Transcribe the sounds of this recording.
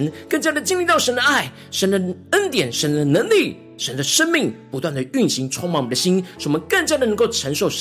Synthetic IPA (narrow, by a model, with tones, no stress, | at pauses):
nkə˥˧ŋt͡ɕja˥d̪ə˨t͡ɕi˥ŋli˥˧t̪ɑ˥˩ʊʂə˧˥nd̪ə˧ʔa˥˩ɪ | ʂə˧˥nd̪ə˨ə˥nt̪jɛ˨˩nʂə˧˥nd̪ə˨nə˧˥ŋli˥˩ | ʂə˧˦˥nd̪ə˨ʂə˥nmi˥˩ŋpu˧˥t̪wa˥˩nd̪ə˩y˥˩nɕi˧˥ŋʈ͡ʂʰwɑ˥˧ŋmɑ˥˩ŋmə˨˩d̪ə˧˩ɕi˥nʂu˥˩˨mə˧˦nkə˥˩ŋt͡ɕja˥d̪ə˨nə˧˥ŋko˥˩ʊʈ͡ʂʰə˧˥ŋʂo˥˩ʊʂ